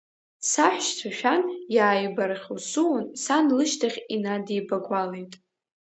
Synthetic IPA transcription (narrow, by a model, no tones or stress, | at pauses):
saħʷᶣʃt͡sʷʰaʃᶣanjaːjbaraχʲwsuwansanlɨʃtʰaχʲinadijbaɡʷalejtʼ